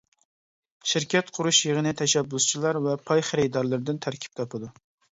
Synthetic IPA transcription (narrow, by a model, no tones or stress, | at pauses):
ʃiɾkʲɛt̪qʰʊɾuʃjəʁənɨt̪ʰɛʃæbːust͡ʃʰilˠɑɾvɛpʰɑjχɪɾɪd̪ɑɾlˠɨɾd̪ɪnt̪ʰæɾkʲʰi̥p̚t̪ʰɑpʰɨd̪u